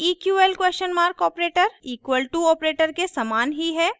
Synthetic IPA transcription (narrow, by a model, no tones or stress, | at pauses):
iːkjuːɛːlkweːsʃənmaːɾkɔːpɾeːʈəɾiːkwəlʈuɔːpɾeːʈəɾkesɐmaːnɦiɦɛː